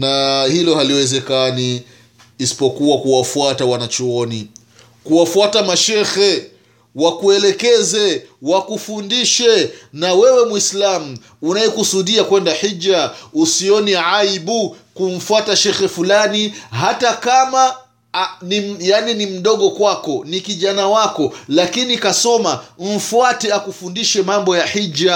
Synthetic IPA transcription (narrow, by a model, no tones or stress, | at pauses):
nahilɔhaliwɛzɛkaniː | si̥pɔkuwakuwafuatawanat͡ʃuɔni | kuwafuatamaʃɛxɛ | wakuɛlɛkɛzɛwakufundiʃɛnawɛwɛmwislamu | unaɛkusuɗiakwɛndaħid͡ʒausiɔniʕaiɓu | kum̩fuataʃɛxɛfulaniɦatakama | nijaninim̩ɗɔɠɔkwakɔnikiʄanawakɔlakinikasɔmam̩fuatɛakufundiʃɛmambɔjaħid͡ʒa